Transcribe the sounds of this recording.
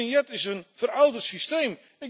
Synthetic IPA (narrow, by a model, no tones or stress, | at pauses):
ɪnjɛtɪsənfərawdəsistejm | ɪ